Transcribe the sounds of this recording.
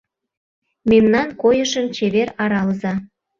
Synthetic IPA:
memnɑnkojəʃənt͡ɕeβeɾɑɾɑlzɑ

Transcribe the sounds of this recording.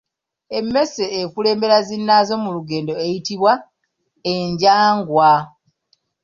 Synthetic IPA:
e̞mːe̞seːkule̞ːmbe̞ɾazinːaːzo̞muluɡe̞ːndo̞ejitiβwa | eɲɟaːŋɡwa

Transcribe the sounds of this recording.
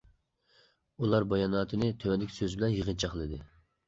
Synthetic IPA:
ulˠɑɾbɑjɑnɑːt̪ʰɨnɨt̪ʰøwɛnlɪkʲsøzbɪlɛnjəʁənt͡ʃʰɑχlˠɨd̪ɨ

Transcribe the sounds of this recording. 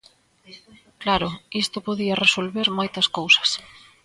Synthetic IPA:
klaɾʊist̪ʊpoðiɐresolβeɾmojt̪ɐskowsɐ̥s

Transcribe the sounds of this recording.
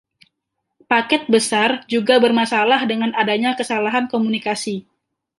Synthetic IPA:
pakɛt̪̚bəsard͡ʒuɡabərmasalahdəŋanadaɲakəsalaɦankomunikasi

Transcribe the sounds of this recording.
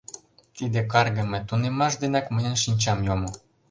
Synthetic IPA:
t̪id̪ek̬ɑrɣəmət̪unemɑʃd̪enɑkməjənʃinʲt͡ɕɑmjomo

